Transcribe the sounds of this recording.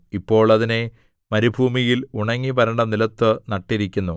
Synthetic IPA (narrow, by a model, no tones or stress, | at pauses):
ipːo̞ːɭɐðine̞ | mɐɾibʱuːmijiluɳɐŋːipɐɾɐɳɖɐmnilɐt̪ːɨnɐʈːiɾikʲːunːu